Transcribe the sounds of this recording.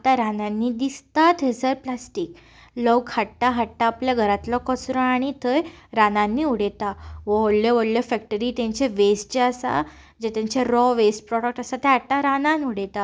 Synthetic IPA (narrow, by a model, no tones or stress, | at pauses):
at̪aɾanãnːiːd̪ist̪at̪ʰesəɾplasʈiːk | ləwkʰaʈːaɦaʈːaːpljaɡʱəɾat̪lɔkəsɾə̃aɽ̃it̪ʰəjɾanãnːiːuɽet̪aʋəoɽlɔʋəɽljɔfɛk̚ʈəɾiːt̪ãɲt͡ɕeʋest͡ɕeəsa̰ | d͡ʑet̪ãɲt͡ɕeɾɔʋesʈ̚pɾɔɽək̚ʈasat̪eɦaʈːaɾanãnuɽet̪a